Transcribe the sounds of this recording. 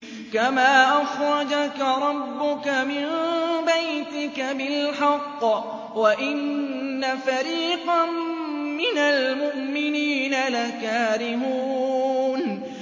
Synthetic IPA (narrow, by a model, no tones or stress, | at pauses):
kamaːʔaxɾˤɑd͡ʒakaɾˤɑbːʊkamɪmbajt̪ɪkabɪlħɑqː | waʔɪnːafaɾiːqa | mɪnalmʊʔmɪniːnalakaːɾɪɦuːn